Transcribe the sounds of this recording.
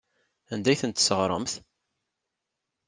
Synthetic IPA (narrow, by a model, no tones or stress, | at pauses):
ænd̪æjθənt̪ːsəʁɾˤə̰mθ